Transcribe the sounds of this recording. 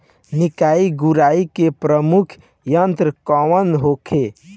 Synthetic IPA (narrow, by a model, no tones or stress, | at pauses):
nikaiɡuɾaikepɾəmukʰ | jənt̪ɾəkɔʋənɦokʰe